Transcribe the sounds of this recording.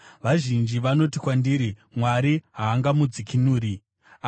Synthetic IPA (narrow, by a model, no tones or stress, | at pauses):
ʋaʒind͡ʒiʋano̞tikwandiːɾimwaɾiɦaːŋɡamud͡zikinuːɾi | a